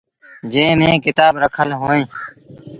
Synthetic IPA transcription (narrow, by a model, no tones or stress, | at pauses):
d͡ʒẽːmẽːkɪt̪aːbɾəkʰəlɦoːẽː